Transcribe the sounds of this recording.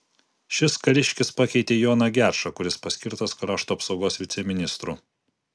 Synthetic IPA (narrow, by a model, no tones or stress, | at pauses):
ʃʲɪskɐɾʲɪʃʲkʲɪspɑːkʲɛɪt̪ʲeːjoːnɐɡʲæɾʃɐkʊɾʲɪspɐsʲkʲɪɾt̪ɐskɾɑːʃt̪uːɐpsɒʊɡoːsʋʲɪt̪sʲɛmʲɪnʲɪst̪ɾuː